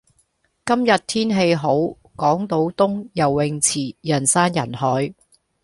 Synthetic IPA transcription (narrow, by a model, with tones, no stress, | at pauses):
kɐ˥mjɐ˨t̚t̪ʰiː˥nɦe˧jɦo˨˥w | kɔː˨˥ŋt̪o˨˥wt̪ʊ˥ŋjɐ˨˩wːɪ˨˧ŋt͡sʰiː˨˩jɐ˨˩nsaː˥njɐ˨˩nhɔː˨˥j